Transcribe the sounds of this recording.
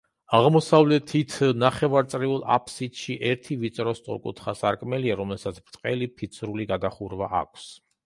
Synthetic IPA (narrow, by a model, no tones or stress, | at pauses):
aʁmɔsavlɛt̪ʰit̪ʰnaχɛvaɾt̪sʼɾiulˠa̰pʰʼsit̪ʃiʔɛɾt̪ʰivit̪sʼɾɔst̪ʼṵɾkʼṵt̪ʰχasaɾkʼmɛliaɾɔmlɛsat̪sʰbɾt̪ʼqʼɛlipʰit̪sʰɾuliɡaɡaχuɾvaʔa̰kʷʰs